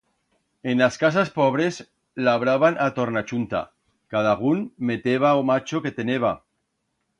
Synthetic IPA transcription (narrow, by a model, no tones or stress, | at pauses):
enlaskas̬aspoβɾe̞z | laβɾaβanat̪oɾnat͡ʃunt̪a̰ | kað̞aɣ̞unmet̪eβaomat͡ʃoke̞t̪eneβ̞a